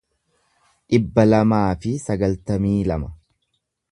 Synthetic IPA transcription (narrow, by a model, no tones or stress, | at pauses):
ᶑɪbːɐlɐmaːfɪsɐɡɐlt̪ɐmiːlɐmɐ